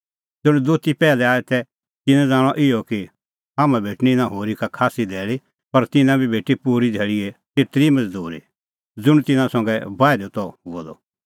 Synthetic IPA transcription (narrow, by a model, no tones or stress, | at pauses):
d͡zʊɽ̃d̪oːt̪ipɛːlɛaːɛt̪ɛ | t̪ɪnɛ̃d͡zãːɽ̃ɔʔɪjɔki | ɦaːmãbʱeːʈninãɦoːɾikakʰaːsid̪ɛːɭi | pɐɾt̪ɪnãbʱibʱeːʈipuːɾidʱeɭiɛt̪ɪt̪ɾimɐd͡zd̪uːɾḭ | d͡zʊɽ̃t̪ɪnãsɔ̃ŋɡɛbaːɪɾot̪ɔɦuɔd̪ɔ̰